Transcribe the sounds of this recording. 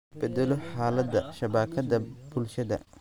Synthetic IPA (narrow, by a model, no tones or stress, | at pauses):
b̥ɛd̪ɛlɔħaːlɐd̪ɐʃɐβaːkʰɐðɐbʊlʃɐðɐ̰